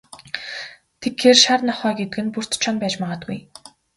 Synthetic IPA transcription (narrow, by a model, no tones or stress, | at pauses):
t̪ʰekxeːrʃarnɔχœːɡet̪ɘ̆ɡɘ̆npur̥t̪t͡ɕʰɔnpæːt͡ɕmaʁə̆t̪̚ɡṵj